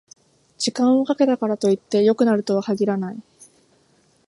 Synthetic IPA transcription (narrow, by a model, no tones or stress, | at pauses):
d͡ʑikãɰ̃o̞kake̞t̪akaɾat̪o̞it̪ːe̞jo̞kɯ̟naɾɯ̟t̪o̞βakaɡʲiɾanai